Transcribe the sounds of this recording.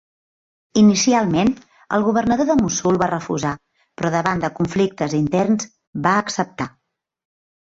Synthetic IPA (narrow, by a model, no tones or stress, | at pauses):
inisialˠmen | ə̰lˠɣuβərnəðoðəmusulˠβarəfṵza | pɾɔðəβand̪əkuɱflik̚t̪əzint̪ɛrnz | baəksəp̚t̪a